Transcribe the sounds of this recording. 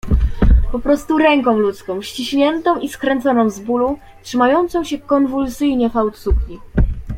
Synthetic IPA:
pɔpɾɔst̪uɾɛŋkɔ̃w̃lut̪skɔ̃w̃ɕt͡ɕiɕɲɛnt̪ɔ̃w̃ʔiskɾɛnt̪sɔnɔ̃w̃zbulu | tʂɘmajɔnt̪sɔ̃w̃ɕɛkɔnvulsɘjɲɛfawt̪sukɲʲi

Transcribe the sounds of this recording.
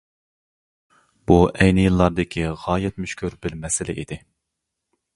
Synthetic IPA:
b̥uʔɛjnɪjɨlˠːɑɾd̪ɪkʲʰiʁɑːjɛt̪myʃkʲyɾbɪɾmɛsɪlɪ̰ʔḭd̪ɪ

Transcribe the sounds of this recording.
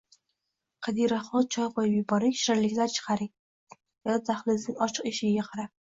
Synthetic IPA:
qʰɑd̪iɾaχɒlˠt͡ʃʰɒpvɒjpjʊbɒɾɪkʲʃɾaɾlɪkʲlaɾt͡ʃʰɨ̥qʰɑɾɪk̚ʲ | jat̪ʰaχlɪzɪŋʲɒt͡ʃʰɨ̥qeʃɪɡʲaqʰɑɾap̚

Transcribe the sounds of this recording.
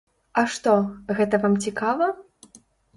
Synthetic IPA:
ɐʂt̪ɔɣɛt̪ɐvamt͡sʲikavɐ

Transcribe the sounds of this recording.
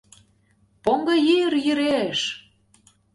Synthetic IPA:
poŋɡɤ̆jijərjyɾeʃ

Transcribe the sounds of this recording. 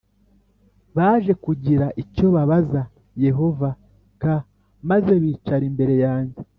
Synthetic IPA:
βaːʒe̞kuɟiɾaʔico̞βaβaza | je̞ɦo̞va | ka | maze̞βiːt͡ʃaɾimbe̞ɾe̞jaːɲɟe̞

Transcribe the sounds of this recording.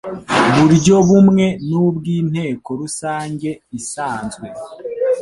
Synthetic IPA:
βuɾɟo̞βumŋe̞nubɡiːn̥he̞ːko̞ɾusaːɲɟe̞isaːnzɡwe̞

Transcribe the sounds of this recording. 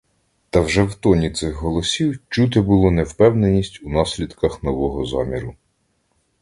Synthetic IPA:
t̪ɐwʒɛwt̪ɔnʲit̪sɪxɦɔlˠɔsʲiwt͡ʃut̪̬ɪbʊlˠɔnɛwpɛwnenʲisʲtʲunɑsʲlʲid̪kɐxnɔʋɔɦɔzɑ̰mʲiɾʊ

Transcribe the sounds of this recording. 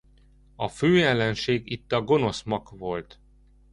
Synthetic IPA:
ɒføːjɛlːɛnʃeːɡit̪ːɒɡo̞no̞smɒkvo̞lt̪

